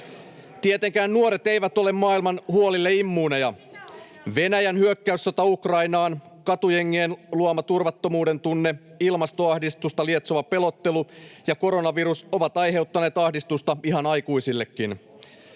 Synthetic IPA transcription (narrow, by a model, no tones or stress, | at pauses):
t̪iet̪eŋkæːnːuoɾe̞t̪e̞jʋæt̪o̞le̞mːɑːilmɑnhuo̞lilːe̞imːuːnejɑ | ʋe̞næjænhyøkːæysːot̪ɑukrɑinɑːnkɑt̪ujeŋːienluomɑt̪urʋɑt̪ːo̞muːde̞nt̪unːeilmɑst̪o̞ɑhdist̪ust̪ɑlie̞t̪soʋɑpe̞lo̞t̪ːe̞lujɑko̞ɾo̞nɑʋiɾuso̞ʋɑt̪ɑjɦe̞wt̪ːɑne̞ːt̪ɑhdist̪ust̪ɑiɦɑnɑjkuisilːe̞kːin